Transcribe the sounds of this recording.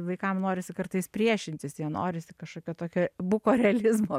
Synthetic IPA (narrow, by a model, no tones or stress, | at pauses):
ʋɐɪkɐmnoːɾʲɪsʲɪkɐɾt̪ɐɪspʲɾʲiɛʃʲɪnʲt̪ʲɪsjiɛno̰ːɾʲɪsʲɪkɐʃkoːkʲoːt̪oːkʲoːbʊkoːɾʲɛɐlʲɪzmoː